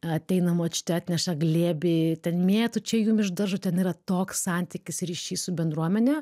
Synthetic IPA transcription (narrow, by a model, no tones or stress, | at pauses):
ɐt̪ʲɛɪnɐmoːt͡ʃʲʊ̥t̪ʲɛɑːt̪ʲnʲɛʃɐɡlʲeːbʲɪt̪ʲɛnmʲeːjɛt̪ʊt͡ʃʲɛjuːmɪʒd̪ɐɾʒʊt̪ʲɛniːɾɐt̪oːkssɑnʲt̪ʲɪkʲɪsɾʲiʃʲiːsʊbʲɛnd̪ɾuɔmʲɛnʲɛ